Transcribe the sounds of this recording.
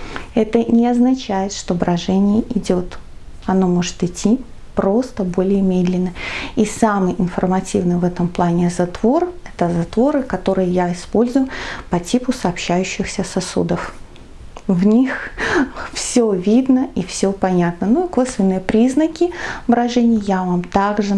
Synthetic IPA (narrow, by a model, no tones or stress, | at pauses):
ɛt̪ənʲɪɐznɐt͡ɕæjɪt̪ʂt̪o̞bɾɐʐɛnʲɪjəʔɪdʲot̪ | ɐno̞mo̞ʐɨ̥t̪ɨtʲʰːi | pɾo̞st̪əbo̞lʲɪjəmʲed̪lʲɪnːəisamɨjʔɪnfərmɐtʲivnɨjvɛt̪əmplˠanʲɪzɐt̪vo̞rɛt̪əzɐt̪vo̞ɾɨkɐt̪o̞ɾɨjəjaɪspo̞lʲzʊjʊpɐtʲipʊsɐɐpɕːæjʉɕːɪxsʲəsɐsṵd̪əf | vnʲix | fsʲovʲid̪nəifsʲopɐnʲat̪nənuiko̞svʲɪnːɨjəpɾʲiznəkʲɪbɾɐʐɛnʲɪjjavamt̪aɡʐɨ